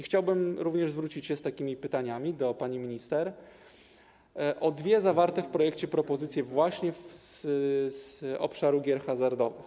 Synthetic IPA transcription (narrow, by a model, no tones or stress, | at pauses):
ixt͡ɕawbɘmɾuvɲɛʐzvɾut͡ɕit͡ɕɕɛst̪akʲimʲipɘt̪aɲamʲid̪ɔpaɲimʲiɲist̪ɛɾ | ʔɔd̪vʲjɛzavaɾt̪ɛfpɾɔjɛkt͡ɕɛpɾɔpɔzɘt̪sʲjɛvwaɕɲɛf | zɔ̰pʂaɾuɡʲjɛɾxazaɾd̪ɔvɘ̰x